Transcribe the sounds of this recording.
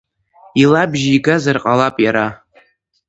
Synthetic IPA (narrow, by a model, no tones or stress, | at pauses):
ilabʒiɡazarqʼalapʼjaɾa